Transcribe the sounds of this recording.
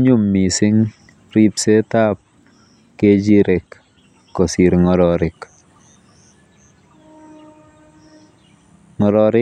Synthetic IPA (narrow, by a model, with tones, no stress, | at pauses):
ɲu˦mːi˨si˦ŋ | ɾi˦pse˦ta˦p̚ | ke˦d͡ʒi˦ɾe˨kː | o˨si˨ɾŋɔ˨ɾɔ˨ɾɪ˨k | ŋɔ˨ɾɔ˨ɾɪ˦